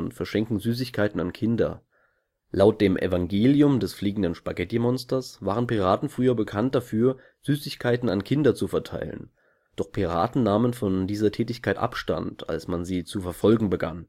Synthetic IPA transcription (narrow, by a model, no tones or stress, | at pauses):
ʊntfɛɐʃɛŋkŋ̩zyːs̬ɪçkʰaɪtn̩ankʰɪndɐ̰ | lʔaʊt̚d̥eːmʔɛ̰vaŋɡeːljʊmdɛsfliːɡŋ̩dənʃpaɡɛtimɔnstɐsv̥aːʁənpiʁaːtn̩fʁ̥yːɐbəkʰant̚d̥afyːɐ | z̥yːsɪçkʰaɪtn̩ankʰɪndɐt͡sufɛɐtʰa̰ɪlə̰n | d̥ɔχpʰiʁa̰ːtn̩naːmənfɔndiːzɐtʰɛːtɪçkʰaɪtʔa̰pʃta̰ntʰa̰lsmanziːt͡sufɛɐfɔlɡŋ̩bəɡa̰n